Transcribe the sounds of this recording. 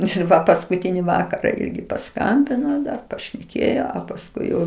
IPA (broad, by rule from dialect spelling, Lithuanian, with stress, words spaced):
ɪr ˈʋɐ pɐskʊˈtʲɪnʲɪ ˈʋɑːkɐrɐ ˈɪrʲɡʲɪ pɐˈskɐmʲbʲɪnoː dɐr pɐʃʲnʲɛˈkʲeːjoː ɐ pɐsˈkʊɪ jɛʊ